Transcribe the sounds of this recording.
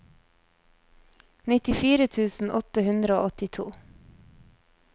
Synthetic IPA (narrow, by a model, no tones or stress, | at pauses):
nɪt̪ɪfiːɾət̪ʰʉːsn̩ʔɔt̪əhʉnd̪ɾəo̰ːɔt̪ɪt̪ʰṵː